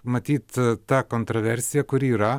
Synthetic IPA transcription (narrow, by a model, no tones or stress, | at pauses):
mɐt̪ʲiːt̪t̪ɐkoːnt̪ɾoʋʲɛɾʲsʲɪjɛkʊɾʲiːɾɐ